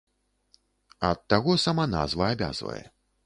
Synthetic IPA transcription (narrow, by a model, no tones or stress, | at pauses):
ɐt̪ːaɣɔsamana̰zvɐabʲa̰zvɐ̰jɛ̰